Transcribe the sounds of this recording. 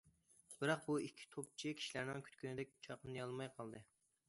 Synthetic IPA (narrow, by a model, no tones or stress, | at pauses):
b̥ɪɾɑq̚buikʲʰːi̥t̪ʰop̚t͡ʃʰikʲʰi̥ʃilæɾnɪŋkʲʰt̪kʲynɪd̪ɛk̚ʲt͡ʃʰɑqnɨjɑlˠmɑjqʰɑlˠd̪ɨ